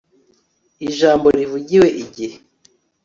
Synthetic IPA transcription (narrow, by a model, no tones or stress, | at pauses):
iʒaːmboɾivuɟiwe̞ʔiɟihe